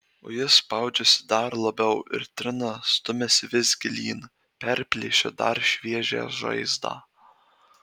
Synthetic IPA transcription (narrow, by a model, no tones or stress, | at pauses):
o̰jɪspɑˑʊd͡ʒʲɛsʲɪ̥d̪ɐɾlˠɐbʲɛʊʔɪ̰ɾt̪ʲɾʲɪnɐst̪ʊmʲɛsʲɪʋʲɪzʲɡʲɪlʲiːn | pʲɛɾʲpʲlʲeːʃʲɛd̪ɐ̰ɾʃʲʋʲiɛʒʲḛːʒɐ̰ɪzd̪ɑ̰ː